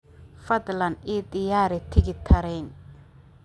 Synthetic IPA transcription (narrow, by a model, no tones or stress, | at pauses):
fɐd̪lɐnʔid̪ɪjaːɾɛt̪ʰɪɣɪt̪ʰɐɾɛjn